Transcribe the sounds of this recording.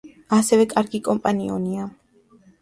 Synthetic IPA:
asɛvɛkʼaɾɡikʼɔmpʼaniɔ̰nia

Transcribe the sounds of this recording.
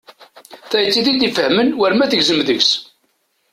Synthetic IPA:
θæjət͡sːiðid̪ifəhmənwæɾmæθəʝzəmðəʝs

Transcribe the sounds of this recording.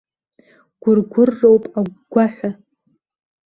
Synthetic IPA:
ɡ̥ʷʊrɡʷʊrːowpʼaɡɡʷaħʷᶣa

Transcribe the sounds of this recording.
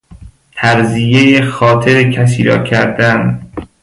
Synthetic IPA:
t̪ʰæɾzijejexɒːt̪ʰeɾecʰæs̬iːɾɒ̰ːkʰæɾd̪æn

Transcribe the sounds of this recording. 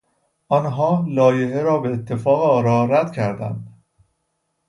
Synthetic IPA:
ʔɒnɦɒːlɒːje̞ɦeɾɒːbeːt̪ʰːe̞fɒːɣeɒːɾɒːɾæd̪̥cʰæɾd̪æ̰nd̪̥

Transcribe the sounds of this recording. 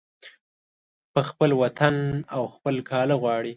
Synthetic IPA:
pəxpəlwat̪ʰanawxpəlkʰɑləɣwɑɽi

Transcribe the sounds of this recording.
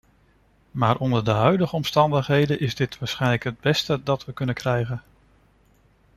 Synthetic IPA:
maːɹʔɔndəɹdəɦœɥdəχəɔmstɑndəχɦejdənʔɪzdɪtʋaːɹsχɛjnləkɦəd̚bɛstədɑtʋəkɵnəkrɛjχən

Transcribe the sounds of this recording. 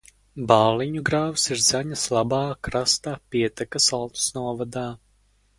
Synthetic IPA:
baːlˠiɲuɡɾaːwsiɾzaɲaslˠabɑːkɾast̪apiɛt̪akasalˠt̪u̥snuɔvad̪aː

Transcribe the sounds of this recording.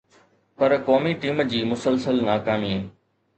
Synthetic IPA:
pɐɾkoːmiʈiːmd͡ʑiːmʊsəlsəlnaːkaːmieː

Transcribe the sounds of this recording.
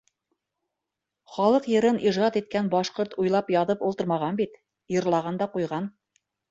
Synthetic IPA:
χɑlˠɤqjɤ̆ɾɤnʔiʒɑt̪it̪̚kænbɑʃqoɾt̪ujlˠɑpjɑðɤpulˠt̪ɤ̆ɾmɑʁɑnbit̪ | jɤ̆ɾlˠɑʁɑnd̪ɑqujʁɑn

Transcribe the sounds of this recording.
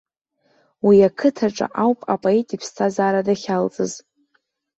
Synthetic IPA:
wiakʰɨtʰaʈ͡ʂʼa̰ʔawpʼapʼo̞etʼipʰstʰazaːɾadaχʲalt͡sʼɨ̰z

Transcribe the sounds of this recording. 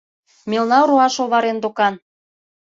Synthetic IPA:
mʲelnɑɾoɑʃolβɑɾend̪okɑn

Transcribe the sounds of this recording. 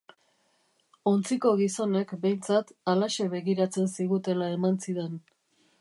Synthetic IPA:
o̞nt͡siko̞ɣiso̞ne̞kbe̞jnt͡sat̪alaʃe̞βe̞ɣiɾat͡se̞nsiɣut̪e̞lae̞mansiðe̞n

